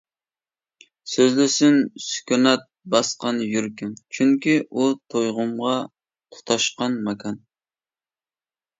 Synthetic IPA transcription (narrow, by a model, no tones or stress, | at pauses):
søzlɪsɪnsy̥kʲʰynɑt̪̚bɑsqɑnjyɾkʲɪŋt͡ʃʰyŋkʲiʔut̪ʰojʁʊmʁɑ | t̪ʰʊ̥t̪ʰɑʃqɑnmɑkʰɑn